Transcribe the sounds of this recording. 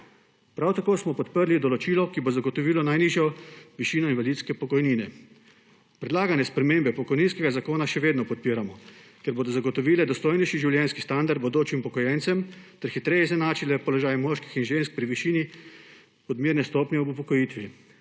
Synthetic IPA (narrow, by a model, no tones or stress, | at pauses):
pɾawt̪akoːsmɔpɔt̪pəɾlid̪ɔlɔt͡ʃiːlɔkibozaɡɔt̪ɔʋiːlɔnajniːʒjɔʋiʃiːnɔinʋalit̪skɛpɔkɔjniːnɛ | pɾɛd̪laːɡanjɛspɾɛmeːmbɛpɔkɔjniːnskɛɡazakoːnaʃɛʋeːd̪nɔpɔt̪̚piːɾamɔkɛɾboːd̪ɔzaɡɔt̪ɔʋiːlɛd̪ɔst̪oːjnɛjʃiʒiwljɛnskist̪and̪aɾd̪̚bɔd̪oːt͡ʃiimpɔkɔjɛnsɛmt̪ɛɾxit̪ɾɛjɛzɛnaːt͡ʃilɛpɔlɔʒaːjmɔːʃki̥xinʒensk̚pɾiʋiʃiːni | ɔd̪miːɾnɛst̪ɔpnʲɛuupɔkɔjiːt̪ʋi